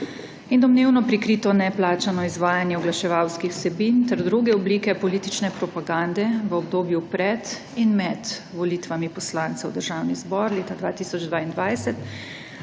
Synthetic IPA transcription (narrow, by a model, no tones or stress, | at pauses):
ind̪ɔmneːwnɔpɾikɾiːt̪ɔnɛplaːt͡ʃanɔizʋaːjanjɛɔɡlaʃɛʋawskixwsɛbint̪ɛɾd̪ɾuɡɛɔbliːkɛpɔliːt̪it͡ʃnɛpɾɔpaɡand̪ɛʋəɔbd̪oːbjupɾɛt̪ | inmɛd̪ʋɔliːt̪ʋamipɔslaːnt̪sɛwd̪əɾʒaːwnizbɔɾleːt̪ad̪ʋaːt̪iːsɔd͡ʒd̪ʋaːind̪ʋajsɛt̪